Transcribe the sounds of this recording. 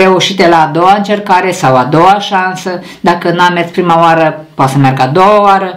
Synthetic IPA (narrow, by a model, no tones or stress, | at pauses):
ɾe̞uʃit̪elaːd̪o̞waɨnt͡ʃe̞rkaɾe̞sawad̪owaʃansə | d̪akənuamet̪sʲpɾimaoaɾəpoat̪səmʲjarɡad̪owaoaɾə